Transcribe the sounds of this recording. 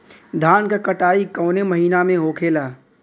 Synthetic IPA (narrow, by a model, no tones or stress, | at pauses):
d̪ʱaːnkakəʈaːikɔːneməɦiːnamẽɦoːkʰeːlaː